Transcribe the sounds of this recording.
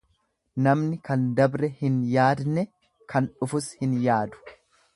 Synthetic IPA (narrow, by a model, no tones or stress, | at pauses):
nɐmnɪkɐnd̪ɐbɾɛhɪnjaːd̪nɛ | kʰɐnᶑʊfʊshɪnjaːd̪ʊ̥